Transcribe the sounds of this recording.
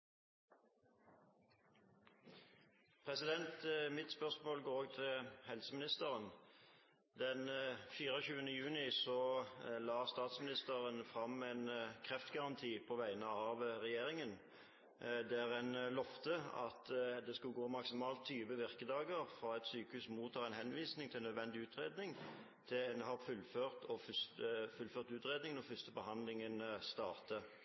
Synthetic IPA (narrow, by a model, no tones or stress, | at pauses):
pʰʁɛsɪd̪ɛnt̪mɪt̪spœʁsmoːlɡoːʁoːɡt̪ʰɪlhɛlsəmɪnɪst̪əʁən | d̪ɛnfiːʁəɕʉːənəjʉːnɪsɔlɑːst̪ɑːt̪smɪnɪst̪əʁənfʁɑmɛɪnkʰʁɛft̪ɡɑʁɑnt̪ʰiːpʰɔːʋæɪnəɑːʋʁɛjeːɾɪŋən | d̪æʁɛnlɔft̪əɑ̰t̪d̪ɛskʉlɡoːmɑksɪmɑːlt̪ʰːyːʋəʋɪʁkəd̪ɑːɡəʁfɾɑːɛt̪syːkəʉːsmuːt̪ʰːɑːʁɛnhɛnʋiːsnɪŋt̪ʰɪlnœd̪ʋɛnd̪ɪʉːt̪ʁeːd̪nɪŋ | t̪ʰɪnhɑʁfʉlføːʁt̪ʰɔffʉlføːʁt̪ʉːt̪ʁeːd̪nɪŋənɔfʏst̪əbəhɑnd̪lɪŋənst̪ɑ̰ːʁt̪ə